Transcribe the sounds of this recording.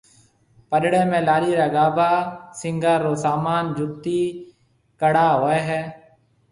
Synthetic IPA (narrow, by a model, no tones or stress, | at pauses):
pəɗɽẽːmẽːlaːliːɾaːɡaːbaːsɪŋɡaːɾoːsaːmaːnd͡ʒʊk̚t̪iː | kəɽaːɦoːeːɦɛː